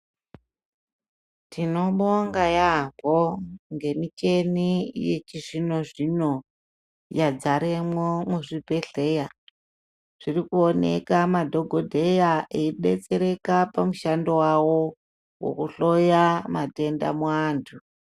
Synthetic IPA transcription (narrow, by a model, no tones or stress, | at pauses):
tʰino̞ɓoŋɡajapo̞ŋɡe̞mit͡ʃe̞nijet͡ʃiʐino̞ʐino̞ | jad͡zaɾemwomuʐipe̞ɬe̞ja | ʐ̥irikuone̞̰kamadʱo̞ɡʱodʱe̞jaʔeiɓe̞̰t͡se̞ɾe̞kapamuʃando̞wawo̞ | wo̰kuɬo̞jamate̞nda̰muaːntʰu